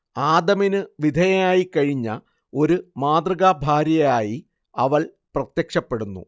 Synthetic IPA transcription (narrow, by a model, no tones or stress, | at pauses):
aːd̪ɐminɨʋid̪ʱɐjɐjaːjikɐɻiɲːɐ | o̞ɾumaːd̪rɨɣaːbʱaːɾjɐjaːji | ɐʋɐɭ | prɐt̪jɐkʂɐpːe̞ɽunːṵ